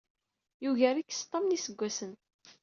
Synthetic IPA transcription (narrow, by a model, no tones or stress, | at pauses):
juʝæɾikːst̪ˤːɑmnisəɡʷːæsən